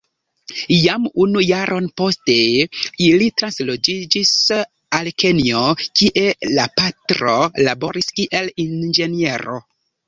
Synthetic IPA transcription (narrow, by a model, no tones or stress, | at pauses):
jamunujaɾʔo̞npo̞ste̞ilitɾanslod͡ʒid͡ʒis | alke̞nio̞kiʔe̞lapatɾo̞labo̞ɾiskiʔelind͡ʒe̞nie̞ɾo̞̰